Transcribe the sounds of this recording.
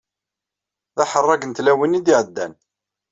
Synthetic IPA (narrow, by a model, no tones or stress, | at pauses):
ðɑħərˤːɑɡənt̪læwinid̪iʕəd̪ːæ̰n